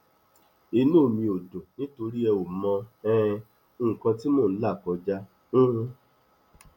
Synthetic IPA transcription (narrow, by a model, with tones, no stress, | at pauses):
i˧nũ˦˨mĩ˧o˨dõ˨nĩ˦to˧ɾi˦ɛ˧wo˨mɔ̃˧ɛ̃˦˧ | õ˦˨kã˧ti˦mõ˦˨˧la˦˨kɔ˧d͡ʒa˦ | ũ˦